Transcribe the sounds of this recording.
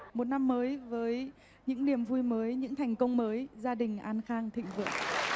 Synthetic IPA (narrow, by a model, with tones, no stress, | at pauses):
mo˨˩t̚na˧mːəː˨˦jvəː˨˦j | ɲɨ̰˧˥ŋni˨˩əmvu˧jməː˨˦jɲɨ̰˧˥ŋt̪ʰɛ˨˩jŋ̟kə˧wŋ͡mməː˨˦jzaː˧ɗï˨˩ŋ̟ʔaː˧nxaː˧ŋt̪ʰḭ̈˧˨ŋ̟vɨ̰˧˨əŋ